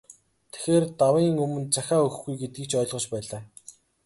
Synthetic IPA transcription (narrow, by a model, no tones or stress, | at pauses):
t̪ʰe̥xeːrt̪awiːŋɵmɵ̆nt͡saxʲaːɵxɡujɡet̪̚ɡĭkt͡ɕɔːɮʁɞ̆t͡ɕpæːɮaː